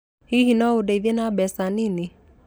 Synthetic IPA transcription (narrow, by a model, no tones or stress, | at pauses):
hiɦinɔodɛiðenabɛsanini